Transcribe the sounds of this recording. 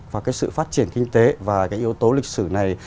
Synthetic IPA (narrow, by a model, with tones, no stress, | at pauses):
vaː˨˩kaː˨˦jsɨ̰˧˨faː˦˥t̚t͡ɕi˧˩ənkï˧ŋ̟t̪e˨˦vaː˨˩kaː˨˦jʔi˨˦əwt̪o˨˦lï˨˩k̟̚sɨ˧˩na˨˩j